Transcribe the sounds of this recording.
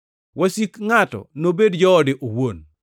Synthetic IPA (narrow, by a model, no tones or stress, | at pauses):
wasikŋatɔ̰nobedd͡ʒɔːdɪʔowon